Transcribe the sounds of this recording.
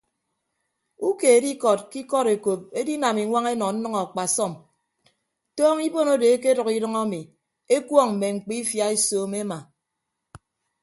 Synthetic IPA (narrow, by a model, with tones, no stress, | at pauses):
u˦ke˨e˨˦di˦kɔ˨t̚ki˦kɔ˦ɾe˨ko˨p̚e˦di˦na˨mi˨ŋʷa˦ŋe˦nɔ˨n̩˦nʌ˦ŋɔ˨a˨k͡pa˨sɔ˦˨m | tɔː˦ŋi˦bo˦no˦de˨e˦ke˦dʌ˨ki˦dʌ˦ŋa˦mi˨ | e˦kwɔ˦˨ŋm̩˨me˨ŋ͡m̩˨k͡pi˦fja˦e˦soː˦me˦ma˨